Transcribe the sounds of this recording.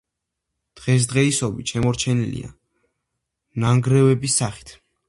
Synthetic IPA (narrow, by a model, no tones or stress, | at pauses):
d̪̥ʁɛs̬d̪ʁɛisɔbit̪ʃɛmɔɾt͡ʃʰɛnilḭa̰ | naŋɡɾɛvɛbisːaχi̥t̪ʰ